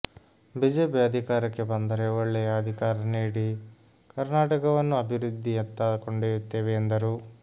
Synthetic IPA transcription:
biːd͡ʒeːpiɐd̪ʱikaːɾɐkːebɐnd̪ɐɾeːʋɐɭːeɐd̪ʱikaːɾɐneːɽi | kɐɾnaːʈɐkɐʋɐnːuɐbʱiɾud̪ʱːiɐt̪ːaːkoɳɖeːut̪ːeːʋeːnd̪ɐɾu

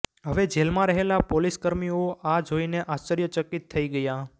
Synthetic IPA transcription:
ɦəʋed͡ʒelmãɾəɦelapoliskəɾmioʔad͡ʒoineʔast͡ʃəɾjət͡ʃəkit̪ʰːəiɡəja

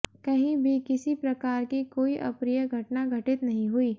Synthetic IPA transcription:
kɐɦĩbʱikɪsipɾɐkaːɾkikoːiʔɐ̰pɾijəɡʱɐʈnaɡʱɐʈɪt̪nɐɦĩɦuiː

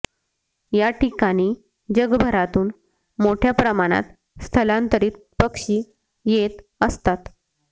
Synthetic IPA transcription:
jaʈikaɽ̃iː | d͡ʑəɡbʱəɾat̪uːn | moʈʰjapɾəmaɽ̃a̰t̪ | st̪ʰəlãnt̪əɾiːt̪̚pəkɕiː | jet̪əst̪at̪

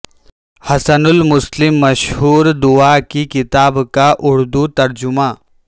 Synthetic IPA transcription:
hɐsənʊlmʊslɪmːɐʃhuːɾd̪uakikɪt̪aːbkaʔʊɽd̪ut̪ɐɾd͡ʒʊmãː

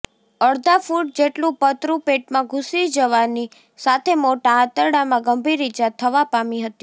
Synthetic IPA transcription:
əɽd̪ʱafuʈ̚d͡ʒeʈlũpət̪ɾũpeʈmãɡʱusid͡ʒəʋani | sat̪ʰemoʈaːt̪əɾɽamãɡəmbʱiɾid͡ʒat̪ʰəʋapamiɦət̪i̥

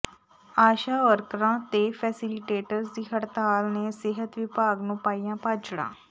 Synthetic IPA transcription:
aːʃaʋəɾkɾãt̪efɛːsiliʈeːʈəɾsd̪iɦəɽt̪aːlneseɦət̪ʋibaːɡnupaːijãpat͡ʃɽã̰ː

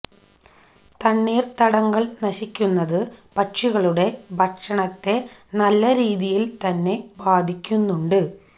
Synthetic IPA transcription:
t̪ɐɳːeːrt̪ɐɽɐŋɡɐɭnɐɕikʲːunːɐðɨpɐʈʂiɣɐɭuɽe̞bʱɐkʂɐɳɐt̪ːe̞nɐlːɐɾiːðijilt̪ɐnːe̞baːd̪ʱikʲːunːuɳɖɨ

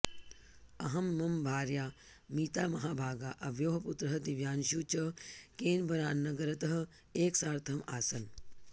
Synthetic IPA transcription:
ɐɦɐmːɐmbʱaːɾjaː | miːt̪aːmɐɦaːbʱaːɡaːʔɐʋjoːɦɐput̪ɾɐɦɐd̪iʋjaːnʃuːt͡ʃɐkeːnbɐɾaːnːɐɡɐɾɐt̪ɐɦɐ | eːksaːɾt̪ʰɐma̰ːsɐn

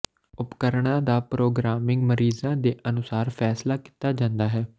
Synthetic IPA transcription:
ʊpkəɾɳ̃ãːd̪aːpɾoːɡɾaːmɪŋɡməɾiːzãːd̪eːʔənʊsaːɾpʰɛːslaːki̥ːt̪aːd͡ʒãːnd̪aːɦɛː

